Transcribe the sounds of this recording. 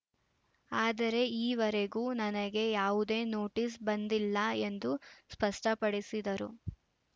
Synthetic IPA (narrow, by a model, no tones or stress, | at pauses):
aːd̪ɐɾe̞iːʋɐɾeɡuːnɐnɐɡe̞jaːʋud̪e̞ːno̞ːʈis̬bɐnd̪ilːɐe̞nd̪uspɐʂʈɐpɐɽisid̪ɐɾu